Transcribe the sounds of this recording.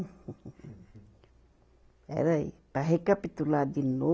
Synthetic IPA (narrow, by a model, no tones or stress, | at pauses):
ɛ̰ɾajpaɦekapit̪ulad̪inːo